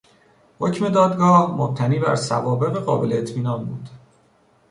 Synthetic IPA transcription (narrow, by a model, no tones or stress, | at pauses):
hocme̞d̪ɒːd̪ɡɒːhmob̚t̪ʰæniːbæ̰ɾsæ̰vɒːbe̞ʁeɣɒːbe̞leːt̪ʰmiːnɒːnbṵːd̪̥